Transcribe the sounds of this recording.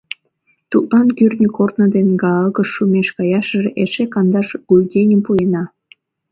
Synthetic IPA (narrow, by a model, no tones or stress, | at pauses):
t̪ut̪lɑnkyrnʲəkort̪nəd̪enɡɑəɣəʃːumeʃkɑjɑʃərʔeʃekɑnd̪ɑʃɡ̥ujɡʲenʲəmpuenɑ